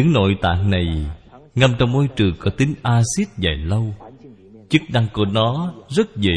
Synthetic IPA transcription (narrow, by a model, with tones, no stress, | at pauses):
ɨ˧˥ŋno̰˧˨jt̪a̰ː˧˨ŋna˨˩jŋa˧mt͡ɕɔ˧wŋ͡mmo˧˦jt͡ɕɨ˨˩əŋkɔ˨˧˩t̪ï˨˦ŋ̟ʔaː˧si˦˥t̚za̰ː˧˨jlə˧w | t͡ɕɨ˦˥k̚ɗa˧ŋku˧˩ənɔ˨˦zə˦˥t̚zḛ˧˨